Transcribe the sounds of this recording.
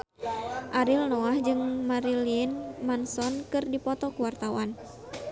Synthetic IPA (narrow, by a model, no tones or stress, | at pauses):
ʔaɾilnɔahd͡ʒɨŋmaɾiliɪnmansɔnkɨrdipɔt̪ɔkuwart̪awan